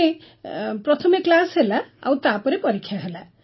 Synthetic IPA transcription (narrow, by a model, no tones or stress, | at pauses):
e | pɾʌt̪ʰɔmeklasɦelaa̰wt̪apʌɾepʌɾikʰːjaɦela